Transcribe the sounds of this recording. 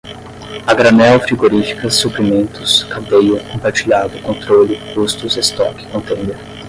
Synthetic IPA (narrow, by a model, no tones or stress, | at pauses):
ɐɡɾanɛwfɾiɡoɾifi̥kɐsuplimẽnt̪ʊ̥skadejʊkõpaɾt͡ʃiʎad̪ʊkõnt̪ɾolɪkust̪ʊzest̪ɔ̰kɪ̥kõnt̪ẽnd̪eɾ